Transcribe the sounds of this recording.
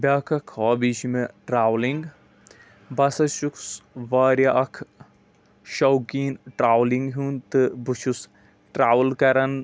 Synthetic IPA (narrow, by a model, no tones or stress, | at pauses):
bʲaːkʰɐkʰɔːbiːt͡ʃimeʈɾaːʋliŋɡ | bɐsɐʃuksʋaːɾjaʔɐkʰ | ʃɐwkiːnʈɾaːʋliŋɡɦũnt̪ɨbut͡ʃʰus | ʈɾaːʋlkɐɾɐn